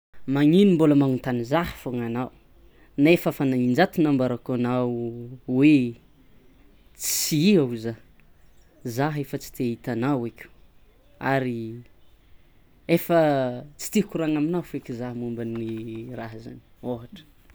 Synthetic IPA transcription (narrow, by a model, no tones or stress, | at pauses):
maŋinimboləmaŋunt̪anizahə̥foŋanaw | naefəfanaind͡ʒat̪inambaɾakanawwe | t͡siiauza | zaɦefət͡si̥t̪eit̪anawekʲu̥ | aɾi | efət͡si̥t̪ihkuɾaŋaminawfekʲizaɦmumbanːiraɦza̰ni̥oɦaʈ͡ʂə̥